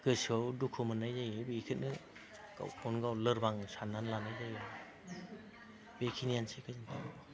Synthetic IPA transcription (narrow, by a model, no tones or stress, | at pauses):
kɯsɔwdukʰomɯnajzajebikʰɯt̚nɯ | ɡ̥a̰wpʰɔnɡawlɯɾbaŋsanːanlanajzaj | bekʰinijansekʰɯzɯntʰaɾ